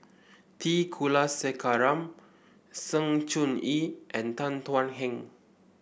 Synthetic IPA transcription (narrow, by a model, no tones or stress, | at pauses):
t̪ikʰulasɛkaɾam | səŋt͡ʃuniʔɛ̃nt̪ant̪wanɦɛŋ